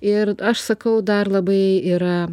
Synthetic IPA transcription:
ɪɾɐʃsɐkɐwd̪ɑɾlˠɐbɐɪɪɾɐ

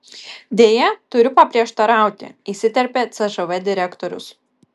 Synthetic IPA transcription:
d̪ʲeːjɛt̪ʊɾʲʊpɐpʲɾʲiɛʃt̪ɐɾɑˑʊt̪ʲɪ̰isʲɪt̪ʲɛɾʲpʲet̪sʲɛʒɐʋɛd̪ʲɪɾʲɛkt̪ɔɾʲʊ̰s

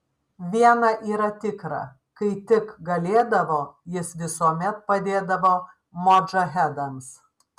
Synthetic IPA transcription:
ʋʲiɛnɐʔiːɾɐt̪ʲɪkɾɐ̰ | kɐɪt̪ʲɪkɡɐlʲeːd̪ɐʋoːjɪsʋʲɪsuɔmʲɛt̪̚pɐd̪ʲeːd̪ɐʋoː | moːd͡ʒɐɦʲɛd̪ɐms

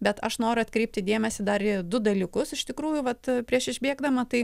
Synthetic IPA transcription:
bʲɛt̪ɐʃnoːɾʊɐt̪ʲkɾʲɛɪp̚ʲt̪ʲɪd̪ʲeːmʲɛsʲɪd̪ɐrid̪ʊd̪ɐlʲɪkʊsɪʃt̪ʲɪkɾuːjʊʋɐt̪pʲɾʲiɛʃɪʒʲbʲeɛɡd̪ɐmɐt̪ɐɪ

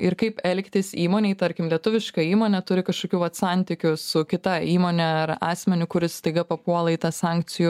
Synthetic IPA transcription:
ɪɾkɐɪpɛlʲkʲt̪ʲɪsiːmoːnʲeɪt̪ɐɾʲkʲɪmlʲiɛt̪ʊʋʲɪʃkɐiːmoːnʲɛt̪ʊɾʲɪkɐʃkoːkʲuːʋɐt̪sɑnʲt̪ʲɪkʲʊsʊkʲɪt̪ɐiːmoːnʲɛɐɾɑːsʲmʲɛnʲʊkʊɾʲɪst̪ɐɪɡɐpɐpuɔlˠɐɪt̪ɐsɑˑŋʲk̚t͡s̪ʲɪjʊ

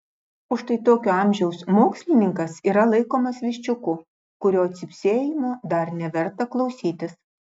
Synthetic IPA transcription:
ʊʃt̪ɐɪt̪oːkʲoːɑˑmʲʒʲɛʊsmoːksʲlʲɪnʲɪŋkɐsiːɾɐlˠɐɪkoːmɐsʋʲɪʃʲt͡ʃʲʊkʊ | kʊɾʲoːɐt̪ʲsʲɪpʲsʲeːjɪmɑːd̪ɐɾnʲɛʋʲɛɾt̪ɐklˠɒʊsʲiːt̪ʲɪs

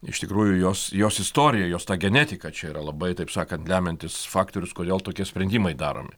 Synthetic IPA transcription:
ɪ̰ʃt̪ʲɪkɾuːjʊjoːsjoːsɪst̪oːɾʲɪjɛjoːst̪ɑːɡʲɛnʲæːt̪ʲɪkɐt͡ʃʲɛiːɾɐlˠɐbɐɪt̪ɐɪpsɑːkɐnt̪lʲæːmʲɛnʲt̪ʲɪsfɑːkt̪oːɾʲʊskoːd̪ʲeːlˠt̪oːkʲiɛsʲpʲɾʲɛnʲd̪ʲiːmɐɪd̪ɑːɾo̰ːmʲɪ

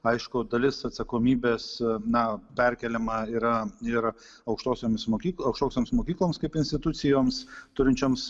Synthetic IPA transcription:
ɐɪʃkʊd̪ɐlʲɪsɐt̪sɐkoːmʲiːbʲeːsnɐpʲɛɾʲkʲɛlʲɛmɐiːɾɐɪɾ | ɐʊkʃt̪oːsʲoːmʲsmoːkʲiːkɐʊkʃt̪oːsʲoːmsmoːkʲiːklˠoːmskɐɪpɪnʲsʲt̪ʲɪt̪ʊt̪sʲɪjoːmst̪ʊɾʲɪnʲt͡ʃʲoːms

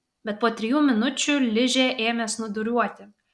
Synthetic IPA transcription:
bʲɛt̪̚poːt̪ʲɾʲɪjuːmʲɪnʊt͡ʃʲulʲɪʒʲeːʔeːjomʲeːsnʊd̪ʊɾʲuɔt̪ʲɪ

